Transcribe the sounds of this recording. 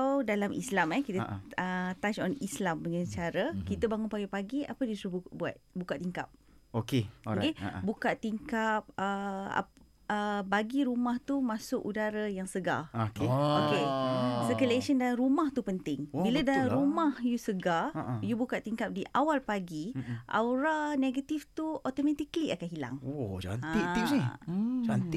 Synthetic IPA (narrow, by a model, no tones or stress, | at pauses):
adalamʔḭslamɛkit̪əət̪at͡ʃɔnislamdəŋant͡ʃaɾəkit̪əbaŋʊnpaɡipaɡia̰pədisɾuhbbua̰t̪̚bukaʔt̪iŋkap̚ | okeokebukaʔt̪iŋkap̚əa̰ | əbaɡiɾumaht̪umãsʊkudaɾajaŋsəɡa̰okeokesəkəleʃəndaaɾumaht̪upənt̪ɪŋbiladalɾumahjusəɡajubukaʔt̪iŋkap̚diʔawalpaɡiʔa̰wɾaneɡat̪ift̪uɔt̪omãt̪ikliʔakaʔɦila̰ŋod͡ʒa̰naiʔt̪inid͡ʒant̪i